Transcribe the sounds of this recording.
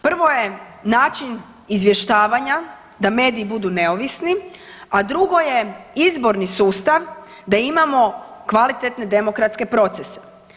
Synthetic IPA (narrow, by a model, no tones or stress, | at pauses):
pr̩ʋo̞jenaːt͡ʃin | izʋje̞ʃt̪aːʋaɲa | d̪ame̞ːd̪iːbud̪une̞o̞ʋisniad̪ɾuɡo̞je̞izbo̞ɾnisuːst̪aʋ | d̪aimamo̞kʋalit̪et̪ne̞d̪e̞mo̞kɾat̪ske̞pɾo̞t̪sese̥